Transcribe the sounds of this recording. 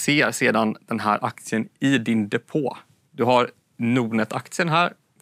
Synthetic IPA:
seːɾseːd̪and̪̥ɛnɦæːɾʔak̚t̪sɪənɪd̪ɪnd̪ɛpʰoː | d̪̥ɵɦaɾ | nuːnət̪ʰa̰k̚t̪sɪənɦæːɾ

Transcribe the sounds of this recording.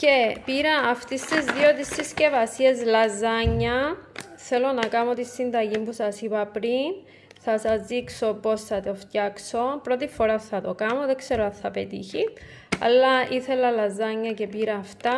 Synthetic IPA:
ce̞piɾɐːft̪ist̪izðiot̪̬isːisce̞vɐsiezlɐzɐɲːɐ | θe̞lo̞nɐkɐmot̪isːind̪ɐʝimbusɐsipɐpɾin | θɐsɐzðikso̞po̞sθɐt̪o̞ft̪jɐkso̞pɾo̞t̪ifo̞ɾaθːɐt̪o̞kɐmoðekse̞ɾoɐnθɐpet̪ḭçi | ɐ̰lːɐiθe̞lɐlɐzɐɲːɐce̞piɾɐːft̪ɐ

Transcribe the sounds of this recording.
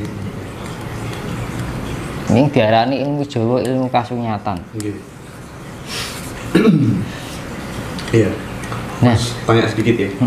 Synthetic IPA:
ɲɪŋd̪̥i̤aɾaniilmud̥ʒ̥ɔ̤woilmukasuɲat̪anke | ja | napaŋasəb̥ikɪt̪ja

